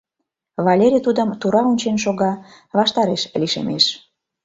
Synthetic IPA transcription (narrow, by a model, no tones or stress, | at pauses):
βɑlʲeɾʲit̪ud̪əmt̪uɾɑonʲt͡ɕenʃoɣɑ | βɑʃt̪ɑɾeʃliʃḛmeʃ